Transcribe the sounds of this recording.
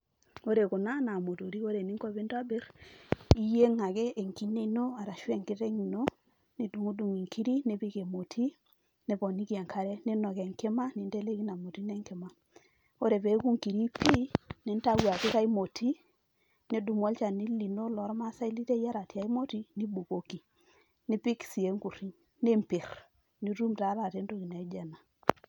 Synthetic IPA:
o˦ɾe˨ku˨na˦na˨mo˨to˨ɾi˦o˦ɾe˨ni˦ŋko˦˨bi˦nta˦be˦ɾ | i˦je˦ŋa˨ke˦ʔːŋki˦ne˦i˦no˦a˨ɾa˨ʃwe˦˨ŋki˦te˦ŋi˨no˦ | ne˨du˨ŋu˦du˨ŋi˨ŋki˦ɾi˦ne˨˦pi˦ke˨mo˨tʰi˦ | ne˨˦bɔ˨ni˦ki˦a˨ŋkʰa˨ɾe˦ne˦nɔ˨ke˨ŋke˦ma˦ni˨nte˦le˦ki˦na˨mo˨ti˦ne˦ŋke˨ma˨ | o˦ɾe˨pe˨˦ku˦ŋki˨ɾi˦pʰi˦nɪ˨˦n˦ta˦wa˨kɪ˦ka˦i˦mo˨tʰi˦ | ne˦du˨mɔ˦lt͡ʃa˨ni˦li˨no˦lɔ˨˦ɾma˦sa˦i˦li˦te˦ja˦ɾa˨ti˨a˨i˦mo˦ti˦ni˦bu˨ko˨ki˨ | nɪ˦pi˦ksi˨e˦ŋku˨ɾi˦ɲ | ne˦mpi˨ɾ | ni˦ɾu˦mta˨˦ɾa˨te˨˦ndo˦˨ki˨na˨i˦d͡ʒɛ˨na˨

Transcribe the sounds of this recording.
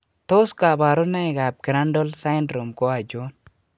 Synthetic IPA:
to˦ska˨ba˨ɾu˦na˦i˨ɡa˨b̚kɪ˨ɾa˦ndɔ˦lsa˦jndɾo˨mko˦a˨d͡ʒo˦n

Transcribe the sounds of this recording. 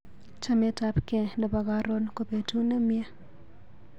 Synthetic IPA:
t͡ʃa˦me˦ta˦pkɛ˨nə˨ba˨ɡa˦ɾo˦nko˨pe˨tu˦nə˦mje˦

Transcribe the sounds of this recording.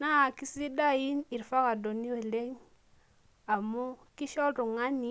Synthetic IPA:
na˦a˨ki˦si˦da˦ji˦ni˨ɾfa˦ka˨do˨ni˦we˨le˦ŋ | a˨mu˦ki˦ʃɔ˦lɾu˨ŋa˦ni˨˦

